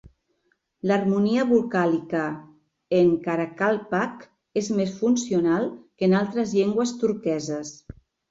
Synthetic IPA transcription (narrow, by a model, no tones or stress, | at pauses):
lərmuniəβulkalikə | eŋkaɾakalˠpak | ezmesfunsiunalˠkənalˠt̪ɾəzʎeŋɡwəst̪uɾkɛzəs